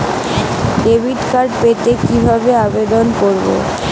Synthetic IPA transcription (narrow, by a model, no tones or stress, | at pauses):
ɖebʱiʈkaɾɖpet̪ekibʱabeabed̪onkoɾbo̰